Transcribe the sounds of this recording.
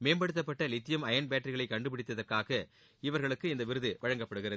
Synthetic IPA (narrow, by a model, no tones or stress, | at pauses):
meːnbɐɽɯt̪ːɐp̬ːɐʈːɐlɪt̪ːɪjɐmɐjɐnbjaːʈrɪɣɐɭɐɪkːɐɳɖɯpɪɽɪt̪ːɐðɐrkaːɣɐ | ɪʋɐɾɣɐɭɯkːɯɪnd̪ɐʋɪɾɯðɯʋɐɻɐŋɡɐpːɐɽɯɣɪrɐð